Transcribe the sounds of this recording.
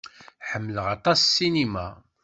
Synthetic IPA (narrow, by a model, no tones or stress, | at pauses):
ħəmːələʁɑt̪ˤɑsːinima